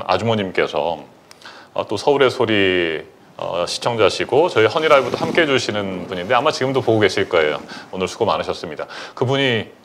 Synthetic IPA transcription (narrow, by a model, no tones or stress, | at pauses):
a̰d͡ʑumoɲimk͈e̞sʰʌ̰ | ʌ̰t͈osʰʌuɾe̞sʰoɾi | ʌ̰ɕʰi̥t͡ɕʰʌŋd͡ʑaɕʰiɡot͡ɕʌihʌɲiɾaɭbudohamk͈eɦed͡ʑuɕʰinɯnpuɲinde̞amat͡ɕiɡɯmdopoɡoɡe̞ɕʰiɭk͈ʌe̞̰jo̰onɯɭsʰuɡomanɯɕʰʌs͈ɯmɲidakɯbuɲi